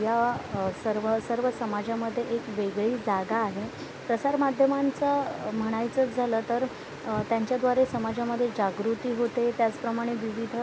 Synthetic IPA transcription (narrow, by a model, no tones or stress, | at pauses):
jasəɾʋəsəɾʋəsəmad͡ʑaməd̪ʱːjeʔekʋeɡɭiːd͡zaɡaːɦe | pɾəsaɾmad̪ʱjəmant͡səm̤əɽ̃ajt͡sət͡sd͡zʱaləːt̪əɾ | t̪jaɲt͡ɕjad̪ʋaɾesəmad͡ʑaməd̪ʱːjed͡ʑaɡɾut̪iːɦot̪et̪jat͡spɾəmaɽ̃eʋiʋid̪ʱ